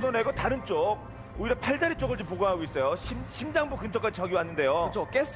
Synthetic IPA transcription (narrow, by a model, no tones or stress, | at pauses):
nʌne̞ɡʌtaɾɯnt͡ɕ͈ok̚ | oiɾʌpʰaɭd͡ʑaɾit͡ɕ͈oɡɯɭd͡ʑɯmp̬oɡaŋɦaɡois͈ʌjoɕʰiɕʰimd͡ʑaŋbukɯnt͡ɕʰʌk͈ad͡ʑit͡ɕʌɡjiwanːɯnde̞jot͡ɕʰok͈esʰ